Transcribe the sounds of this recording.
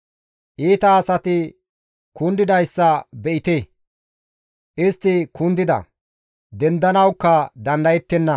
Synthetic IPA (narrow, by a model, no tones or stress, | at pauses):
ʔiːt̪ɐːsɐt̪ɪ | kʊnd̪ɪd̪ɐjsːɐbɛʔɪt̪e | ʔɪst̪ːɪkʊnd̪ɪd̪ɐ̰ | d̪ɛnd̪ɐnɐwkːɐd̪ɐnd̪ɐjɛt̪ːɛnːɐ